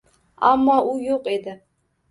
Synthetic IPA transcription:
a̰mːɒʔʊjoqe̞d̪ɪ

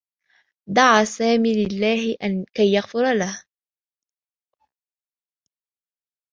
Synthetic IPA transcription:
d̪ɑʕaːsaːmiːlɪlːaːɦɪʔankajːaɣfʊɾˤalah

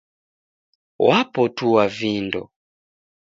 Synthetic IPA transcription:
wapɔtuwavindɔ̰

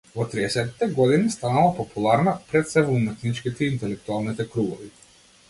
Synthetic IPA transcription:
vɔt̪ɾiɛsɛt̪ːi̥t̪ɛɡɔd̪inist̪analˠapɔpulˠaɾnapɾɛt̪sɛvɔumɛt̪nit͡ʃkit̪ɛiːnt̪ɛlɛkt̪ualˠnit̪ɛkɾuɡɔvi

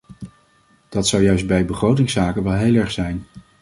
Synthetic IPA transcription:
d̥ɑtsɑwjœɥsd̚bɛjbəχrowtɪŋsaːkənʋɛlˠɦejlˠɛɹχsɛjn

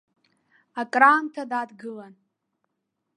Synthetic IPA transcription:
akʼraːmtʰadadɡɨlan

